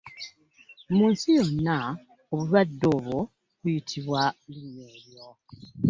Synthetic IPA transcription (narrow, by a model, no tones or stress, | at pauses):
muːnsijo̞nːa | oβulwadːo̞ːβwo̞ | βujitʰiβwalineːɾjo